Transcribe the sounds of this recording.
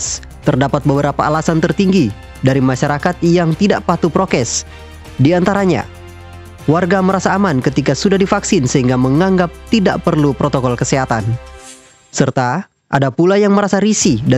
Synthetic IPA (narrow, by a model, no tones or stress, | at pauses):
s | t̪ərdapat̪̚bəbəɾapaalasant̪ərt̪iŋɡi | daɾimaʃaɾakat̪̚jaŋt̪idaʔpat̪upɾokɛs | diant̪aɾaɲa̰ | warɡaməɾasaːmankət̪ikasudahdifaksɪnsəɦiŋɡaməŋaŋɡap̚t̪idaʔpərlupɾot̪okɔlkəseɦat̪an | sərt̪a | ʔa̰dapulajaŋməɾasaɾisida